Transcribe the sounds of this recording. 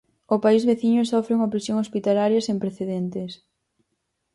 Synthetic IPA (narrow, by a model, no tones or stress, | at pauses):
ʊpaizβeθiɲʊsɔfɾeuŋɐpɾesjoŋospit̪alaɾjɐsempɾeθeðent̪es